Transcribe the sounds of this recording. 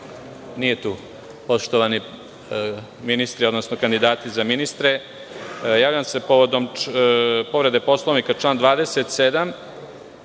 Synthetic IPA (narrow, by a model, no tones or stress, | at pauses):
nije̞t̪uː | po̞ʂt̪oʋani | minist̪ɾio̞d̪no̞snokand̪id̪aːt̪izaminist̪ɾe̞ | jaːʋʎamse̞po̞ʋo̞d̪o̞m | po̞ʋɾe̞d̪e̞po̞slˠo̞ʋnikaʈ͡ʂlaːnd̪ʋaːd̪e̞set̪sed̪am